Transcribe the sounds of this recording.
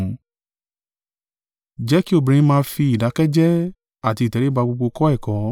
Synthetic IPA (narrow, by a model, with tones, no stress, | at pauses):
d͡ʒɛ˨˦ki˦o˦˨bĩ˨ĩ˦mãː˧fi˧i˨da˨˦kɛ˦d͡ʒɛ˦ | a˦˨ti˧˦˨tɛ˨ɾe˦ba˧ɡ͡bo˧ɡ͡bo˧kɔ˦ɛ˦˨kɔ̃˨˦